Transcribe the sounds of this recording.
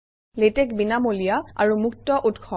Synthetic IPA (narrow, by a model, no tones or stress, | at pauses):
letɛkbinamolijaa̰ɹumuk̚tɔʔutkʰɔ